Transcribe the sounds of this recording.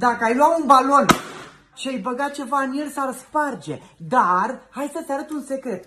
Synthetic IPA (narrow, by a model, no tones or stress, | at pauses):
d̪akəajlwaunbalo̞n | t͡ʃiejbəɡat̪̚t͡ʃe̞vaɨnjelsarspard͡ʒe̞d̪arhajsət̪eaɾət̪unse̞kɾe̞t̪